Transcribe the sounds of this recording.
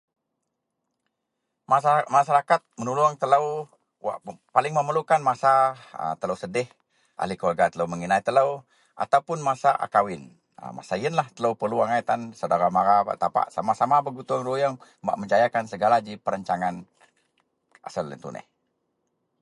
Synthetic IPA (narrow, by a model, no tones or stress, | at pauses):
masaɾakat̪̚mənulʊŋt̪ələw | apalɪŋməməlukanmasaə̰t̪ələwsədɪh | ʔa̰likolɡat̪ələwməŋinait̪ələw | ʔa̰t̪awpʊnmasaʔa̰kawɪn | ə̰ma̰saiənlaht̪ələwpərluaŋajt̪ansadaɾamaɾaa̰t̪apa̰ʔsa̰masamabəɡut̪uŋɾujəŋmba̰ʔməɲd͡ʒajakansəɡalad͡ʒipəɾəɲt͡ʃaŋan | ʔa̰səlːə̰nt̪ṵnʔɪ̰h